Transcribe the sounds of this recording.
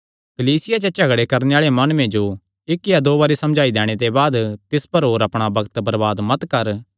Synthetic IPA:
kɐliːsɪjat͡ʃet͡ʃɐɡɽekɐɾneaːɭemɐnmẽd͡ʒo | ɪkːijad̪oːbaːɾisɐ̃md͡ʒaːid̪ɛ̃ːɽ̃et̪̬ebaːd̪t̪ɪspɐɾɦoːɾɐpɽ̃abɐɡt̪bɐɾbaːd̪mɐt̪kɐɾ

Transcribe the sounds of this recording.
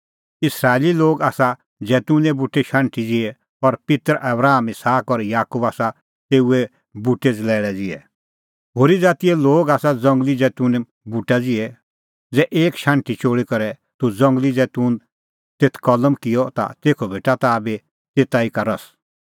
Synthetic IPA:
ɪsɾaːeliloːɡaːsa | d͡zɛːt̪unɛbuʈːeʃãːɳʈid͡zɪɛ | ɔɾpɪt̪əɾʔɐbɾaːmɪsaːkɔɾjaːkubaːsa | t̪eːuɛ | buʈed͡zlɛːɽɛd͡zɪɛ | ɦoːɾid͡zaːt̪ijɛloːɡaːsad͡zɐ̃ŋɡlid͡zɛːt̪un | buʈad͡zɪɛ | d͡zɛʔeːkʃãːɳʈit͡ʃoːɽikɔɾɛ | t̪ud͡zɔ̃ŋɡlid͡zɛːt̪uːn | t̪et̪ʰkɔləmkɪjɔt̪a̰t̪eːkʰɔbʱeːʈat̪abe | t̪eːt̪aikaɾɐs

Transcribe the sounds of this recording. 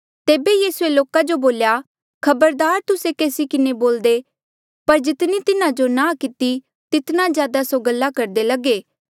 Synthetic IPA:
t̪eːbejiːsueloːkad͡ʒoboːlja | kʰɐbəɾd̪aːɾt̪ʊsekeːsikɪneboːld̪e | pɐɾd͡ʒɪt̪nit̪ɪnãd͡ʒonãkɪt̪i | t̪ɪt̪nazjaːd̪asoɡəlːakɐɾd̪elɐɡeː

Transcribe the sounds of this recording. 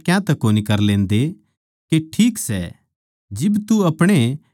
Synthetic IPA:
kjãt̪ɛkoːnikɐɾlẽːnd̪e | keʈʰiːksɛ̰ | d͡ʒɪbt̪uɐpɽ̃e

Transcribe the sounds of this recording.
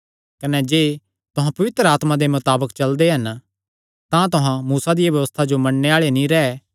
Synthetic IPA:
kɐnɛd͡ʒeː | t̪ʊɦãpɐʋɪt̪ɾəaːt̪mãd̪emʊt̪aːbəkt͡ʃɐld̪eɦɐn | t̪ãt̪ʊɦãmuːsad̪ɪjabjɐʋəst̪ʰad͡ʒomɐɽneaːɭenĩɾɛɛ

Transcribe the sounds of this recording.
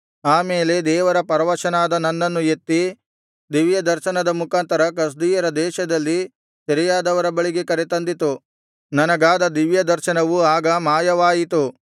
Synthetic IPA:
aːmeːle̞d̪ɛːʋɐɾɐpɐɾɐʋɐʃɐnaːd̪ɐnɐnːɐnːujet̪ːi | d̪iʋjɐd̪ɐɾʃɐnɐd̪ɐmukaːnt̪ɐɾɐk̬ɐs̬d̪iːjɐɾɐd̪ɛːʃɐd̪ɐlːi | sɐɾijaːd̪ɐʋɐɾɐbɐɭiɡekɐɾet̪ɐnd̪it̪u | nɐnɐɡaːd̪ɐd̪iʋjɐd̪ɐɾʃɐnɐʋuaːɡɐmaːjɐʋaːjit̪u

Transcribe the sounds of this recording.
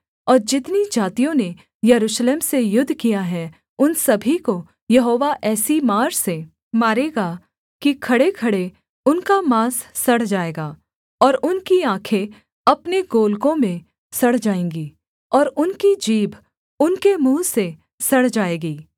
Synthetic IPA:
ɔːɾd͡ʒɪt̪nid͡ʒaːt̪ijõne | jɐɾuːʃleːmsejʊd̪ʱːkijaɦɛ | ʊnsɐbʱiko | jɐɦoːʋaʔɛːsimaːɾse | maːɾeːɡa | kikʰɐɽekʰɐɽe | ʊnkamaːsːɐɽ̤d͡ʒaːeːɡaː | ɔːɾʊnkiãːkʰe | ɐpneɡoːlkõmẽ | sɐɽ̤d͡ʒaːẽːŋɡiː | ɔːɾʊnkid͡ʒiːbʱ | ʊnkemũːse | sɐɽ̤d͡ʒaːeːɡiː

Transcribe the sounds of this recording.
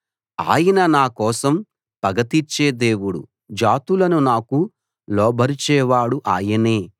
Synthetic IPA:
a̰ːjɐnɐnaːkɔːsɐm | pɐɡɐt̪it͡ʃːeːd̪e̞ːwuɽṵ | d͡ʒaːt̪ulɐnunaːku | lɔːbʱɐɾit͡ʃɛːʋaːɽuʔaːjɐneː

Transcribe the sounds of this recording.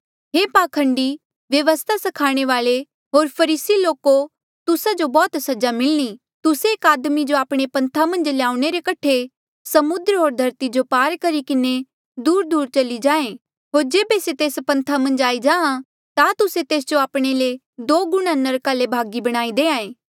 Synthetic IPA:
ɦeːpaːkʰə̃ɳɖi | ʋjɐʋəst̪ʰasɐkʰaːɽ̃eʋaːle | ɦoːɾpʰɐɾiːsiloːko | t̪ʊsad͡ʒobɔːt̪sɐd͡ʒamɪlñi | t̪ʊseːkaːd̪mid͡ʒoaːpɽ̃epɐ̃nt̪ʰamɐ̃nd͡ʒlejaːʊ̃ɽ̃eɾekɐʈʰe | sɐmʊd̪ɾɦoːɾd̪ʱɐɾt̪id͡ʒopaːɾkɐɾikɪne | d̪uːɾd̪uːɾt͡ʃɐlid͡ʒãːẽ | ɦoːɾd͡ʒeːbeset̪eːspɐ̃nt̪ʰamɐ̃nd͡ʒaːid͡ʒãːã | t̪at̪ʊset̪eːs̬d͡ʒoaːpɽ̃ele | d̪oːɡʊɽ̃ãnəɾkaːlebʱaːɡibɐɽ̃aːid̪eːãːẽː

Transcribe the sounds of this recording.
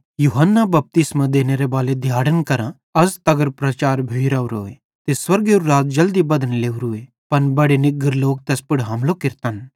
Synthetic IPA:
juːɦənːabɐp̚t̪ɪsmãd̪eːneɾebaːled̪ʱjaːɽənkɐɾã | ɐzt̪ɐɡəɾpɾɐt͡ʃaːɾbʱejɾaːuɾoːe | t̪eswɐɾɡeuɾɾaːt̪̚d͡ʒɐld̪ibɐd̪ənleːuɾʊe | pɐnbɐɽenɪɡəɾloːk̚t̪ɛːspɪɽɦaːmlokɪɾt̪an

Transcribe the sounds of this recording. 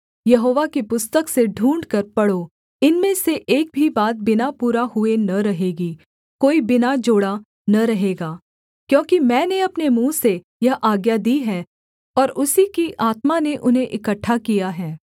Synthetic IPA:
jɐɦoːʋakipʊst̪əkseɖʱũːɳɖkɐɾpɐɽo | ɪnmẽseʔeːk̚bʱibaːt̪̚bɪnapuːɾaɦʊenɐɾɐɦeːɡi | koːibɪnad͡ʒoːɽa | nɐɾɐɦeːɡaː | kjõːkimɛ̃ːneɐpnemũːse | jɐɦʔaːɡjad̪iːɦɛː | ɔːɾʊsikiʔaːt̪maneʔʊnɦẽʔɪkəʈʰːakijaɦɛː

